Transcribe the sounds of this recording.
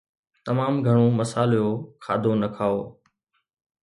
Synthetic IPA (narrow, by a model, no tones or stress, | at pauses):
t̪ɐmaːmɡʱəɽ̃oːməsaːljoːkʰaːd̪ʱonɐkʰaːoː